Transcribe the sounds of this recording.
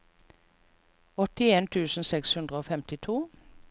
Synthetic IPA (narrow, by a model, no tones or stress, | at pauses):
ɔt̪ɪeːnt̪ʰʉːsn̩sɛkshʉnd̪ʁəoːfɛmt̪ɪt̪ʰuː